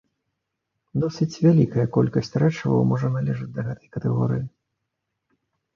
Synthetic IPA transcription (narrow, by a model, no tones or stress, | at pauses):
d̪ɔsɨt͡sʲvʲalʲikɐjɐkɔlʲkɐsʲt͡sʲrɛt͡ʂɐvɐ̰wmɔʐɐnalʲɛʐɨd͡zʲd̪ɐɣɛt̪ɐ̥jkɐt̪ɛɣɔ̰ɾɨji